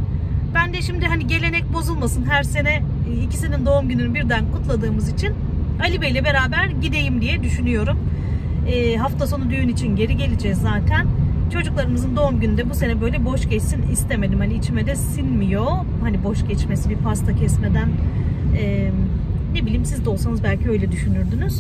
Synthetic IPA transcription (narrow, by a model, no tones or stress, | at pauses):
b̥ænd̪ɛʃimd̪iɦaniɟe̞lʲe̞nɛc̚bo̞zulˠmasɯnɦæɾse̞nɛici̥sinind̪o̞umɟynynybiɾd̪ænkʰut̪lˠad̪ɯːmɯzit͡ʃʰin | alʲibejlʲɛbe̞ɾaːbæɾɟid̪e̞jimd̪ijɛd̪yʃynyjo̞ɾum | ɛːɦaft̪ʰaso̞nud̪yjynit͡ʃʰinɟe̞ɾiɟe̞lʲid͡ʒɛzːaːt̪ʰænt͡ʃʰo̞d͡ʒuklˠaɾɯmɯzɯnd̪o̞umɟynyd̪ɛbusenɛbø̞jlʲɛbo̞ʃɟɛt͡ʃsinist̪ʰe̞me̞d̪imhaniit͡ʃʰimɛd̪ɛsinmijo̞ | hanibo̞ʃɟɛt͡ʃmesibiɾpʰast̪ʰacʰɛsme̞d̪ænɛː | ne̞bilʲiimsizd̪ɛo̞lˠsanɯzbælʲcʰiø̞jlʲɛd̪yʃynyɾd̪ynyz̥